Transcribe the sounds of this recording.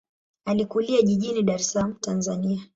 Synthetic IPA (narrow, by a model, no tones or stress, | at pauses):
alikuliaʄiʄiniɗaɾɛslam̩tanzania